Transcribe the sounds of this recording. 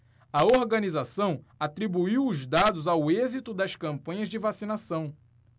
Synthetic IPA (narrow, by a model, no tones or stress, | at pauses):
ɐoɾɡɐnizasɐ̃w̃ | at̪ɾibuiwʊzd̪ad̪ʊzawezit̪ʊd̪ɐskɐ̃mpɐ̃ɲɐzd͡ʒɪvasinasɐ̃w̃